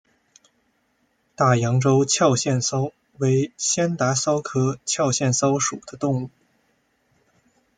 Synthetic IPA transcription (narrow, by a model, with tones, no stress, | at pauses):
t̪a˥˩jɑ˧˥ŋʈ͡ʂo˥ʊt͡ɕʰjɑ˥˧ʊɕjɛ˥˩nsɑ˥ʊ | we˧˥ɪɕjɛ˥nt̪a˧˥sɑ˥ʊkʰɤ˥t͡ɕʰjɑ˥˧ʊɕjɛ˥˩nsɑ˥ʊʂu˨˩d̪ə˦t̪ʊ˥˧ŋu˥˩